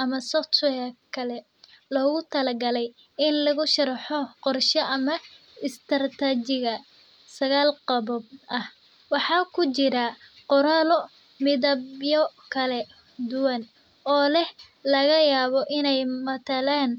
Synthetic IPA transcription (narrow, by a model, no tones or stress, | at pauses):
ʔɐmɐsɔtɛjɐkʰɐlɛ | lɔːɣʊt̪ʰɐlɐɡɐlɛj | ɪnlɐɣʊʃɐɾɑħɔqɔrʃɔʔɐmɐ | ɪst̪ʰɐrt̪ʰɐt͡ʃɪɣɐ | sɐɣaːlqɑβɔb̚ɐh | wɑħɑːkʰʊt͡ʃɪɾɐqɔɾɐlɔ | mɪðɐbjɔkʰɐlɛ | d̪ʊwɐn | ʔɔːlɛh | lɐɣɐjaːβɔʔɪnɛjmɐt̪ʰɐlaːn